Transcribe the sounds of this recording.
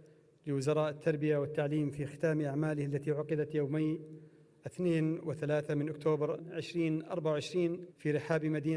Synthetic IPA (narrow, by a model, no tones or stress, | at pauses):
lɪwɪzɑɾˤɑːʔɪt̪ʰːɑɾˤbɪjawɪt̪ːaʕliːmfiːxɪ̥t̪aːmʔaʕmaːlɪhalːat̪iʕʊqɑd̪at̪jaːmaj | ʔɪθneːnwɪθalaːθamɪnʔʊk̚t̪ʰoːbɑɾʕɪʃɾiːnʔɑ̰ɾˤbaʕawʕɪʃɾiːnfiːɾɪħaːbmad̪iː